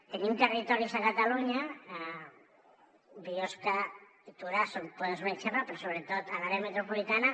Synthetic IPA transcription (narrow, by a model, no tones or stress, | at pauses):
t̪enimt̪ərit̪ɔɾizakat̪aluɲa | bioska | it̪uɾasompoðezmet͡ʃaapeɾɔsoβɾet̪ot̪alaɾeamet̪ɾupulit̪ana